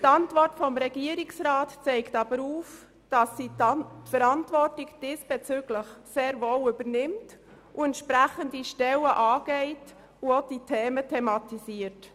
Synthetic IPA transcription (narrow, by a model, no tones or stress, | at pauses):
t̪ɑntvɔrtfɔmɾɛɡiəɾɪksɾaːtt͡sɛɪktɑbəɾuːf | d̥ɑsːitfəɾɑntvɔrtɪɡd̥isb̥ɛt͡syɡləχseːɾvoːlybəɾnɪmt | uɛntʃpɾæχəndiʃtɛləʔɑːɡ̥ɛɪt | uod̥itʰɛːmətʰɛmɑtiziːət